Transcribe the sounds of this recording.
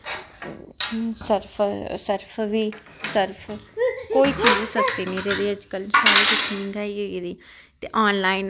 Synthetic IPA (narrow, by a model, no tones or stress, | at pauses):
səɾpʰsəɾpʰʋiː | səɾpʰkoːiːt͡ʃiːzsəst̪iːnĩːɾeːd̪iːəd͡ʒkəlsaːɾiːt͡ʃɪkʰɪ̃nɡaːiːɦoːid̪iː | t̪eːʔaːnlaːin